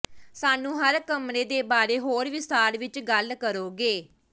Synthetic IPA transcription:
saːnũːɦəɾkəmneːd̪eːbaːɾeːɦoːɾʋɪst̪aːɾʋɪt͡ʃɡəlkəɾoːɡeː

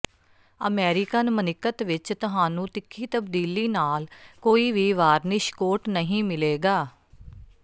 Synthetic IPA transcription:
ə̰mɛːɾɪkənmənɪkət̪ʋɪt͡ʃt̪ʊɦaːnũːt̪ɪkʰːiːt̪əb̚d̪iːliːnaːlkoːiːʋiːʋaːɾnɪʃkoːʈnəɦĩːmɪleːɡaː

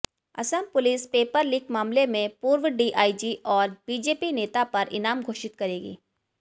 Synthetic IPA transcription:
ɐ̰səmpʊlispeːpəɾlɪːkmaːmlemẽpuːɾwəɖiːʔaːid͡ʒiʔɔːɾb̥iːd͡ʒeːpineːt̪apɐɾɪ̰naːmɡʱoːʃɪt̪̚kɐɾeːɡḭː

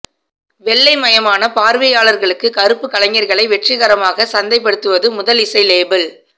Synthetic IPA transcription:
ʋɛɭːɐɪmɐjɐmaːnɐpaːɾʋɐjaːɭɐɾɣɐɭɯkːɯkɐɾɯpːɯkɐlɐŋɐɾɣɐɭɐɪʋɛʈriɣɐɾɐmaːɣɐsɐnd̪ɐɪpːɐɽɯt̪ːɯʋɐðɯmʊðɐlɪsɐɪleːbɐl

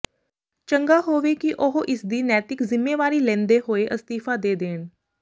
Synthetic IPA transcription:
t͡ʃəŋɡaːɦoːʋeːkiʔoɦʔɪsd̪iːnɛːt̪ɪkzɪmːeːʋaːɾiːlɛ̃ːnd̪eːɦoːeʔəst̪iːfaːd̪eːd̪eːn

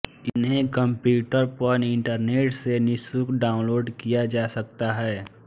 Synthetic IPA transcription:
ɪnɦẽkə̃mpjuːʈəɾpɔnɪ̃ɳʈəɾneːʈsenɪsʊkɖaːʊ̃nloːɖkijad͡ʒaːsɐk̚t̪aɦɛː

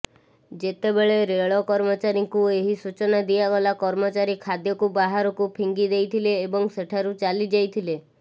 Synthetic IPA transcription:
d͡ʒet̪ebeɭeɾeɭɔkɔɾmɔt͡ʃaɾiŋkueɦisut͡ʃɔnad̪ijaɡɔlakɔɾmɔt͡ʃaɾikʰad̪jɔkubaɦaɾɔkupʰiŋɡid̪ejt̪ʰileːbɔŋseʈʰaɾut͡ʃalid͡ʒajt̪ʰile

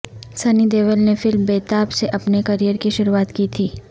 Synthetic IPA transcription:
sɐnid̪eːʋəlnefɪlmbeːt̪aːpseʔɐpnekɐɾijəɾkiʃʊɾuaːt̪kit̪ʰiː

